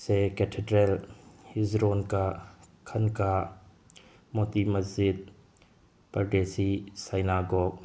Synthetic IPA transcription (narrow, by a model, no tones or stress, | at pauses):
seketʰedɾelhizɾonka | kʰɐnka | mot̪imɐzit̪̚ | pɐɾɖesisajnaɡɔɡ̚